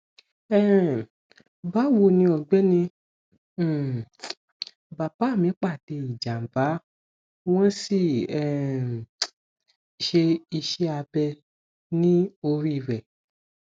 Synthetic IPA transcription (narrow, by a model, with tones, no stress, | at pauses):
ɛ˦ | ba˦˨wo˧˨nĩ˧ɔ˨ɡ͡bɛ˦nĩ˧˦˨ | ba˨ba˨˦˨mĩ˨˦k͡pa˦˨de˧i˨d͡ʒa˨m̩˨ba˨˦ | w̃ɔ̃˦si˦˨ɛ˦˨ | ʃe˧i˧ʃe˦a˧bɛ˧ | nĩ˦o˧ɾi˦˨ɾɛ˨